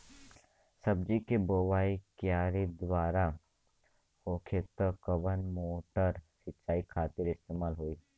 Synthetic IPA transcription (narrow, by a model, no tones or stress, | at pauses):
sɐb̚d͡ʒikeboːwaːikjaːɾid̪ʋaːɾa | oːkʰet̪əkəbənmoːʈəɾsɪtːʃaːikʰaːt̪ɪɾɪst̪eːmaːlɦoːiː